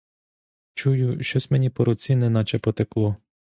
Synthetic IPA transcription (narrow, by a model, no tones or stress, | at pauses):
t͡ʃujʊʃt͡ʃɔsʲmenʲipɔɾɔt͡sʲinɛnɑt͡ʃɛpɔt̪eklˠɔ